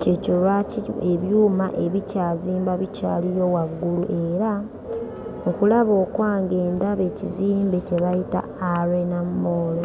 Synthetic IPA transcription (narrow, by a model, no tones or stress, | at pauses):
ce̞colwacieβjuːma̰ʔe̞βicaːziːmbaβica̰ːlijo̞waɡːuluʔe̞ːɾa | okulaβo̞ːkwaːŋɡe̞ːndaβe̞ciziːmbe̞ce̞βajita̰ | aɾenamːoːlo